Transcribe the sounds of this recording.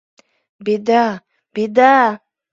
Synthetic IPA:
bid̪a | bid̪a

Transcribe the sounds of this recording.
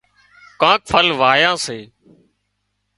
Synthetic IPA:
kãːk̚fʰəlʋaːjãːseː

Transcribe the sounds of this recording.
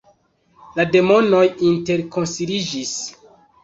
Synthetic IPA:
lade̞mo̞no̞jinte̞ɾko̞nsiɾid͡ʒis

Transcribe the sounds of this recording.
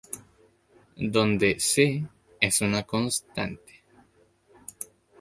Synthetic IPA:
d̪o̞nd̪ese | esunakonst̪a̰nt̪e̥

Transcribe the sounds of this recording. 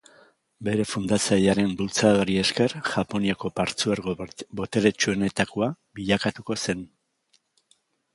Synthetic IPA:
be̞ɾe̞fund̪at͡saʎaɾe̞mbult͡saðoɾie̞ske̞ɾʝapo̞niako̞paɾt͡sueɾbo̞t̪e̞ɾe̞t͡ʃue̞ne̞t̪akoa | βiʎakat̪uko̞se̞n

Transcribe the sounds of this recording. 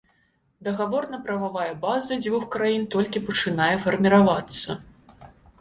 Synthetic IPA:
d̪ɐɣavɔrnɐpɾɐvavajɛbazɐd͡zʲvʲuxkɾajint̪ɔlʲkʲipɐt͡ʂɨnajɛfɐrmʲiɾavat̪sːɐ

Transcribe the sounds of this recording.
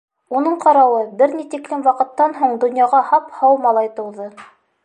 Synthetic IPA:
unɤɴqɑɾɑwɤbɘɾnit̪iklɘmwɑqɤ̆t̪ːɑnɦuɴd̪ŏnjɑʁɑhɑphɑwmɑlˠɑjt̪ɤ̆wðɤ

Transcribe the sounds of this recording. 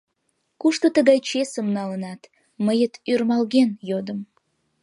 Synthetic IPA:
kuʃt̪ot̪əɣɑjt͡ɕesəmnɑlənɑt̪ | məjət̪yrmɑlɣenjod̪əm

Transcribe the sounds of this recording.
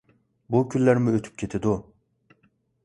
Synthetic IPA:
bukʰʲylːæɾmyøt̪ʰy̥p̚cʲʰet̪ʰɪd̪u

